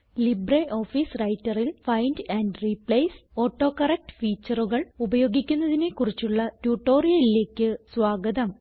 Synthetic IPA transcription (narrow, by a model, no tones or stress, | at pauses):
libreʔo̞ːfiːsrɐjtːɐrilfɐjndɐːnɖripɭɐjso̞ːʈːo̞ːkɐrɐk̚ʈɨ̥fiːt͡ɕːɐruɣɐɭubɐjo̞ːɡikʲːunːɐðine̞kurit͡ɕːuɭːɐtuːʈːo̞ːrijɐlile̞ːkʲːɨsʋaːɡɐd̪ɐm